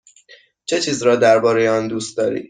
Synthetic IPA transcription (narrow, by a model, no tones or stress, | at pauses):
t͡ʃʰe̞t͡ʃʰiːzɾɒːd̪æɾbɒːɾe̞jeɒnd̪uːst̪̚d̪ɒːɾḭ̥ː